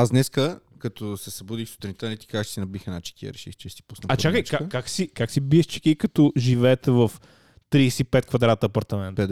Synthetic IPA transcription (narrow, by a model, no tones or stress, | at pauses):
aznɛskəkɐt̪osɛsɐbud̪ixsu̥t̪ɾʲinit̪ənɛt̪i̥kat͡ʃsinɐbixɛnat͡ʃɛ̥kiə̰ɾɛʃḭxt͡ʃɛsi̥pu̥snɐɐt͡ʃakəjt͡ʃkakːaksikaksibiɛʃt͡ʃɛ̥kʲiikɐt̪oʒivɛːt̪ɛvəf | t̪ɾiːsɛipɛt̪̚kvɐd̪ɾat̪əɐpɐɾt̪ɐmɛnt̪